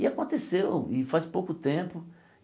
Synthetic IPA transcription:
ɪakõt̪esewɪfaspowkʊt̪ẽpʊ

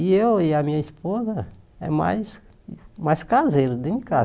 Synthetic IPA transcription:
ɪewɪɐmĩɲɐispozɐ | ɛ̰ma̰js | majskazejɾʊd̪ɪ̃ka

